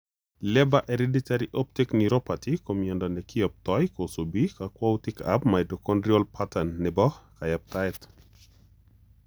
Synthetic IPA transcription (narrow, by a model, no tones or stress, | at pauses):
lɛbaʔeɾeditaɾiʔop̚tikniɾopatikomjɛndɔnɛkiɔp̚tɔjkosobikakwawtika̰b̚majdɔkɔndɾiolpʰatanːɛbɔhkajap̚taɛt